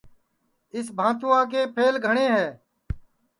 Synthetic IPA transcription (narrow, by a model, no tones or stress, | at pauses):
ɪsbʱãːt̪ʊãːk̬eːpʰeːlɡʱəɳeːɦɛː